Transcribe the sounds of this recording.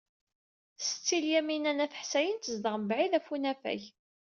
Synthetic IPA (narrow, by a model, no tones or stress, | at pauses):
st͡sːiljæminænæθə̥ħsæjənt̪əzd̪əʁməbʕiðæfunæfæ̰ç